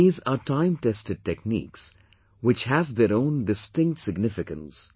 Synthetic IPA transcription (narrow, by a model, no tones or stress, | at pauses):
iːzaːʈãɪ̃mʈɛstɨɖ̚ʈeknḭːks | wɪt͡ʃhævd̪eɾõʊ̃nɖɪsʈɪ̃ŋk̚ʈsɪɡnɪfɪkə̃ns